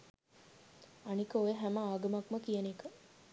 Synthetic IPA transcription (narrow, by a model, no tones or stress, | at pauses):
anikəojeɦæməaːɡɐmakməkijɐnikə